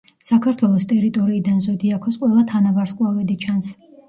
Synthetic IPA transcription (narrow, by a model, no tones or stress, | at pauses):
sakʰaɾt̪ʰwɛlˠɔst̪ʼɛɾit̪ʼɔɾiːd̪anzɔd̪iakʰɔsqʼwɛlˠat̪ʰanabaɾskʼwavɛd̪it͡ʃʰans